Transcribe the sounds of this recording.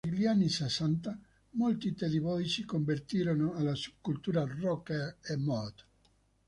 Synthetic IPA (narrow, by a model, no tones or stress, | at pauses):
eʎanːisesant̪a | molt̪it̪eðiβɔit͡ʃikombert̪iːɾonoalːasu̥b̚kult̪uːɾarɔkaemɔt̪